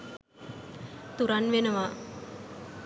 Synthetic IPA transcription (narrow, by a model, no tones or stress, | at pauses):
t̪uɾanʋenɐʋa